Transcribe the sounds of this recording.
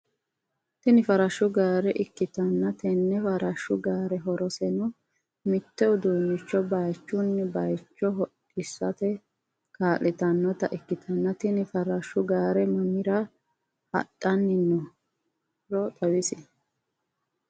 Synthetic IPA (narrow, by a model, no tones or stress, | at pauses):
t̪ɪnɪfɐɾɐʃʊɡaːɾɛʔɪkːɪt̪ɐnːɐt̪ɛnːɛfɐɾɐʃːʊɡaːɾɛɦɔɾɔsɛnʊ | mɪt̪ːɛʊd̪uːnːɪt͡ʃːɔbɐjt͡ʃːʊnːɛbɐjt͡ʃːɔɦɔ | ɪsːɐt̪ɛ | kaːlɪt̪ɐnːɔt̪ɐʔɪkːɪt̪ʰɐnːɐt̪ɪnɪfɐɾɐʃːʊɡaːɾɛmɐmɪɾɐ | hɐ̰tʼːɐnːɪnːɔ | ɾɔt̪ʼɐwɪsɪ